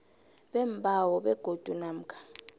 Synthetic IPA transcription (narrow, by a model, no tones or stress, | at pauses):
ɓɛmbʱʼawɔɓɛɡ̥ʱod̥ʱunam̩kʰḁ